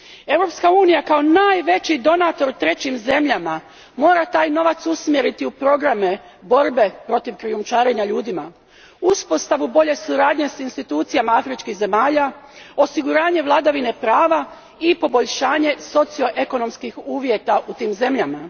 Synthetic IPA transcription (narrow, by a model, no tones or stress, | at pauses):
e̞wɾo̞pskauːnijakao̞naːjʋe̞t͡ɕid̪o̞nat̪o̞ɾt̪ɾe̞t͡ɕimze̞mʎama | mo̞ːɾat̪aːjno̞ʋat̪susmjeɾit̪iupɾo̞ɡɾame̞bo̞ɾbe̞pɾo̞t̪iʋkɾijumt͡ʃaːɾe̞ɲaʎuːd̪ima | uspo̞st̪aʋubo̞ʎe̞suɾaːd̪ɲe̞sinst̪it̪uːt̪sijamaafɾit͡ʃkiɣze̞maːʎao̞siɡuɾaːɲe̞ʋlˠad̪aʋine̞pɾaːʋa | ipo̞bo̞ʎʃaːɲe̞so̞t̪sijo̞ʔeko̞no̞mskixuːʋje̞t̪aʔut̪iːmze̞mʎama